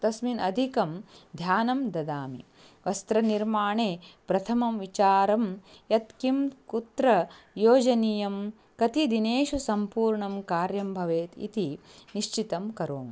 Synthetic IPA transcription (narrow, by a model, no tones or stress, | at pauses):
t̪ɐsminɐd̪ʱikɐmd̪ʱjaːnɐmd̪ɐd̪aːmḭ | ʋɐst̪ɾɐniɾmaːɳeːpɾɐt̪ʰɐmɐmʋit͡ʃaːɾɐmjɐt̪kimt̪kut̪ɾɐ | joːd͡ʒɐnijɐm | kɐt̪id̪ineːʃusɐmpuːɾɳɐmkaːɾjɐmbʱɐʋeːt̪ḭt̪iniʂt͡ʃit̪ɐmkɐɾoːm